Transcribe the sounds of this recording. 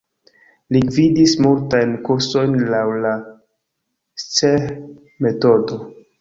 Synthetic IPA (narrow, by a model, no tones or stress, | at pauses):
lividismultajnkuɾso̞jnlawla | t͡se | me̞todo̞